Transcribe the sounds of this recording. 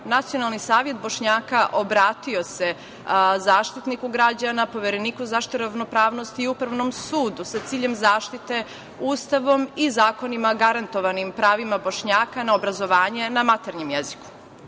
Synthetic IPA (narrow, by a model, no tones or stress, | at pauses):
nat̪sijo̞nalˠnisaːʋje̞t̪̚bo̞ʃɲaːkaʔo̞bɾaːt̪io̞se̞ | zaːʃt̪it̪nikuɡɾad͡ʑanapo̞ʋeɾeniːkuzaʃi̥t̪uɾaʋno̞pɾaːʋno̞st̪iupɾaʋno̞msuːd̪usat̪siːʎe̞mzaːʃt̪it̪e̞ | uːst̪aʋo̞mizaːko̞nimaɡaɾant̪o̞ʋanimpɾaːʋimabo̞ʃɲaːkanaobɾazo̞ʋaːɲe̞namat̪eɾɲemjeziku̥